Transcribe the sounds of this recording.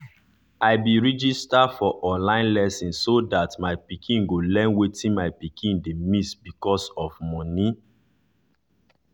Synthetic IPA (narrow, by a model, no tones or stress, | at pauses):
aɪbiɹid͡ʒistafɔʔɔ̃nlãɪ̃nlɛsĩnsːodatmaɪpikʰĩnɡolɛ̃nwetĩnmaɪpikʰĩndemisbikɔsɔvmɔ̃ni